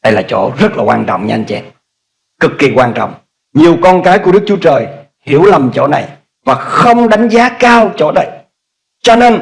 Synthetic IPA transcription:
ɗə˧jlaː˨˩t͡ɕo̰˧˩zə˦˥t̚laː˨˩kwaː˧nt͡ɕɔ̰˧˨wŋ͡mɲə˧nt͡ɕɛ̰˧˥n | kɨ˨˩kːi˨˩kwaː˧nt͡ɕɔ̰˧˨wŋ͡m | ɲi˨˩əwkɔ˧nkaː˨˦jku˧˩əɗɨ˦˥k̚t͡ɕu˦ə˦t͡ɕəː˨˩j | hi˧˩əwlə˨˩mt͡ɕo̰˧˩˥na˨˩j | vaː˨˩xə˧wŋ͡mɗa˨˦ŋ̟zaː˨˦kaː˧wt͡ɕo̰˧˩na˨˩j | t͡ɕɔ˧neː˧n

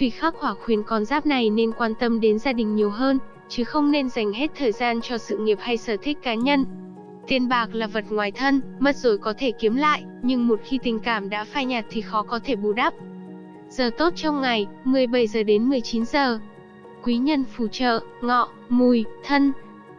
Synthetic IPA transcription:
vi˨˩xaː˦˥k̚hwaː˧˩xwi˨˩ənkɔ˨˧nzaː˦˥p̚na˨˩jne˧nkwaː˧nt̪ə˧mɗe˨˦nzaː˧ɗï˨˩ŋ̟ɲi˨˩əwɦəː˧n | t͡ɕɨ˨˦xə˧wŋ͡mne˧nza˨˩jŋ̟ɦe˦˥t̚t̪ʰəː˨˩jzaː˧nt͡ɕɔ˧sɨ̰˧˨ŋi˨˩əp̚ha˧jsəː˧˩t̪ʰï˦˥k̟̚kaː˨˦ɲə˧n | t̪i˧ənɓaː˨˩k̚laː˨˩və˨˩t̚ŋwaː˨˩jt̪ʰə˧nmə˦˥t̚zo˧˩jkɔ˨˦t̪ʰe˧˩ki˨˦əmla̰ː˧˨jʔ | ɲɨ˧ŋmo˨˩t̚xi˧t̪ï˨˩ŋ̟kaː˧˩mɗa̰ː˧˥faː˧jɲa˨˩t̚t̪ʰi˨˩xɔ˨˦kɔ˨˦t̪ʰe˧˩ɓu˨˩ɗa˦˥p̚ | z̥əː˨˩t̪o˦˥t̚t͡ɕɔ˧wŋ͡mŋa˨˩jmɨ˨˩əjɓə˧˩jzəː˨˩ɗe˨˦nmɨ˨˩əjt͡ɕi˨˦nzəː˨˩ | kwi˨˦ɲə˧nfu˧˩t͡ɕə̰ː˧˨ŋɔ̰˧˨ | mu˨˩jt̪ʰə˧n

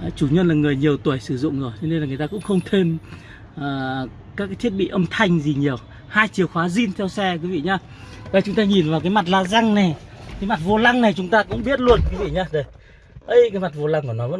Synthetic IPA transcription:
t͡ɕu˧˩ɲwə˧nlaː˨˩ŋɨ˨˩əjɲi˨˩əwt̪wi˧˩jsɨ˧˩zʊ̰˧˨ŋ͡mzɨ˨˧˩t͡ɕɔ˧ne˧nlaː˨˩ŋ˨ə˩jt̪aː˧kʊ̰˧˥ŋ͡mxə˧wŋ͡mt̪ʰe˧n | ʔː | kaː˦˥k̚ːaː˨˦t̪ʰi˦˥ət̚ɓḭ˧˨ʔə˧mt̪ʰa˧jŋ̟zi˨˩ɲi˨˩əw | haː˧jt͡ɕi˨˩əwxwaː˨˦zi˧nt̪ʰɛ˧wsɛ˧kwi˨˦vḭ˧˨ɲaː˧ | va̰˨˧˨t͡ɕʊ˨˦ŋ͡mt̪aː˧ɲi˨˩nvaː˨˩wk̬aː˨˦jma˨˩t̬̚laː˧˥za˧ŋna˨˩jkaː˨˦jma˨˩t̚vo˧la˧ŋna˨˩jt͡ɕʊ˨˦ŋ͡mt̪aː˧kʊ̰˧˥ŋ͡mɓi˦˥ət̚lu˧ənku˨˦vḭ˧˨ɲaː˧ɗə˨˩j | ʔə˧˩jkaː˨˦jma˨˩t̚vo˧la˧ŋku˧˩ənɔ˨˦və̰˧˥n

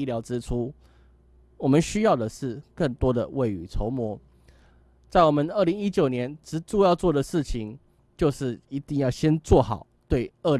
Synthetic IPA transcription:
ljɑ˧˥ʊʈ͡ʂɻ̩˥ʈ͡ʂʰu˥ | wɔ˨˩mə˨˦nɕy˥jɑ˥˩ʊd̪ə˨˩ʂɻ̩˥˧kə˥˩ŋt̪wɔ˥d̪ə̰˨we˥˩ɪy˨˩t͡sʰo˧˥ʊmwɔ˧˥ | t͡sa˥˩ɪwɔ˨˩mə˦nə˥˩li˧˥ŋi˦˥t͡ɕjo˨˩ʊnjɛ˧˦nʈ͡ʂɻ̩˧˥t͡su˥˧jɑ˥˧ʊt͡swɔ˥˩d̪ə˩ʂɻ̩˥˩t͡ɕʰi˨˦ŋ | t͡ɕjo˥˧ʊʂɻ̩˥˩i˧˥t̪i˥˧ŋjɑ˥˩ʊɕjɛ˥nt͡swɔ˥˩xɑ˨˩ʊt̪we˥˩ɪə˥˩

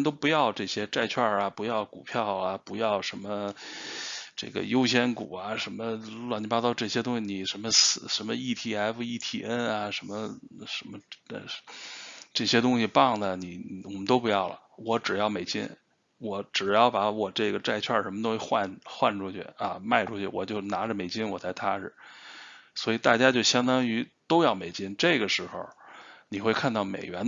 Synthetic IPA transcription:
nt̪̬o˥ʊpu˧˥jɑ˥˧ʊʈ͡ʂɤ˥˩ɕjɛ˥ʈ͡ʂa˥˧ɪt͡ɕʰwa˥˩ɐ˩pu˧˥jɑ˥˩ʊku˨˩pʰjɑ˥˩ʊɐ˩pu˧˥jɑ˥˩˧ʊʂə˧˥nmə˧ | ʈ͡ʂɤ̰˥˩ɡə̰˩jo˥ʊɕjɛ˥nku˨˩ɐ˦ʂə˧˥nmə˧lwn˥a˥t̪ɑ˥˧ʊʈ͡ʂɤ˥˩ɕjɛ˥t̪ʊ˥ŋɕi˧˩ni˨˩ʂə˧˥mə˧s̩˧˩ʂə˧˥nmə˧i˥˩t̪ʰi˧˥a˧˥ɪfu˧i˥˩t̪ʰi˨˧˩ə˥nɐ˨ʂə˧˥nmə˧ʂə˧˥mə̰˧ | ʈ͡ʂɤ˥˩ɕjɛ˥t̪ʊ˥ŋɕi˨pɑ˥˩ŋd̪ə˩ni˨˩wɔ˨˩mə˦nt̪o˥ʊpu˧˥jɑ˥˩ʊlə̰˩wɔ˧˥ʈ͡ʂɻ̩˨˩jɑ˥˩ʊme˨˩ɪt͡ɕḭ˥n | wɔ˧˩˥ʈ͡ʂɻ̩˨˩jɑ˥˩ʊpa˧˥wɔ˨˩ʈ͡ʂɤ˥˩ɡə˩ʈ͡ʂa˥˧ɪt͡ɕʰwa˥˩ʂə˧˥nmə˧t̪o˥ŋxwxwa̰˥˧nxwa˥˧nʈ͡ʂu˥t͡ɕʰy̰˥˩ɐ̰˧ma˥˧ɪʈ͡ʂu˥t͡ɕʰy̰˥˩wɔ̰˨˩t͡ɕjo˥˩ʊna˧˥ʈ͡ʂə˧me˨˩ɪt͡ɕi˥nwɔ˨˩t͡sa˥˩ɪt̪ʰa˥ɻ̩˨˩ | swɔ˧˥i˨˩t̪a˥˩t͡ɕja˥t͡ɕjo˥˩ʊɕjɑ˥ŋd̪ɑ˥ŋy˧˥t̪o˥ʊjɑ˥˩ʊme˨˩ɪt͡ɕi˥nʈ͡ʂɤ˥˩ɡə˩ʂɻ̩˧˥xo̰˥˧˩ʊni˨˩xwe˥˧ɪkʰa˥˧nt̪ɑ˥˩ʊmḛ˨˩ɪɥɛ˧˥n

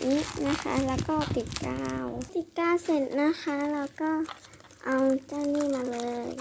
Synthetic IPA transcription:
ni˦˥na˦˥xʰa̰˦˥lɛː˧˩wkɔː˥˩t̪i˨˩t̪̚kaː˧˩wt̪i˨˩t̪̚kaː˧˥˨wse˧˩nːa˦˥xʰa˦˥laː˧wkɔː˥˩ | ʔa˧wt͡ɕa˧˩wniː˥˨maː˧lɤː˧j

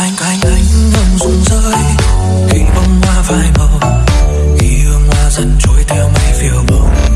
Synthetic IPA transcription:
ʔa˧jŋ̟ʔa˧jŋ̟ʔa˨˧˩jŋ̟ʔhə˨˩wŋ͡mzʊ˨˩ŋ͡mzəː˧˥j | xḭ˧˨˩ŋ̟ɓə˧wŋ͡mhwaː˧vaː˨˩jkə˧˩ | ʔi˧˩hɨ˧əŋhwaː˧zə˧˦˥n̚t͡ɕo˧˩jt̪ʰɛ˧wma˧˩jfi˧˩əwɓə˧˩

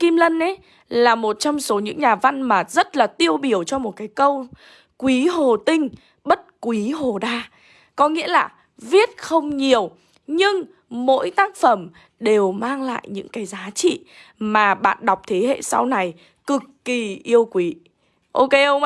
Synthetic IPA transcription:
ki˧mlə˧nʔe˨˦j | laː˨˩mo˨˩t̚t͡ɕɔ˧wŋ͡mso˨˦ɲɨ̰˧˥ŋɲaː˨˩va˧nmaː˨˩t̚zə˦˥t̚laː˨˩t̪i˧əwɓi˧˩əwt͡ɕɔ˧mo˨˩t̚kaː˨˦jkə˧w | kwi˨˦ɦo˨˩t̪ï˧ŋ̟ | ɓə˦˥t̚kwi˨˦ɦo˨˩ɗaː˧ | kɔ˨˦ŋḭ˧˥əlaː˨˩ | vi˦˥ət̚xə˧wŋ͡mɲi˨˩əw | ɲɨ˧ŋ | mo̰˧˥jt̪aː˦˥k̚fə˧˩m | ɗe˨˩wmaː˧ŋla̰ː˧˨jɲɨ̰˧˥ŋkaː˨˦jzaː˨˦t͡ɕḭ˧˨maː˨˩ɓa̰ː˧˨nɗwk͡p̚t̪ʰe˨˦hḛ˧˨sa̰˧wna˨˩j | kɨ˨˩kːi˨˩ʔi˧əwkwi˨˦ | ʔo˧ke˧˦ʔə˧wŋ͡ma˧˦

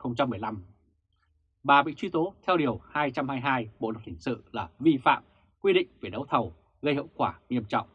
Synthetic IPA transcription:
xə˧wŋ͡mt͡ɕa˧mːɨ˨˩əjla˧m | ɓaː˨˩ɓḭ˧˨t͡ɕwi˧t̪o˨˦t̪ʰɛ˧wɗi˨˩əwhaː˧jt͡ɕa˧mhaː˧jɦaː˧jɓo̰˧˨lə˨˩t̚hï˧˩ŋ̟sɨ̰˧˨laː˨˩vi˧fa̰ː˧˨m | kwi˧ɗḭ˧˨ŋ̟ve˨˩ɗə˨˦wt̪ʰə˨˩w | ɣə˧jhḭ˧˨wkwaː˧˩ŋi˧əmt͡ɕɔ̰˧˨wŋ͡m

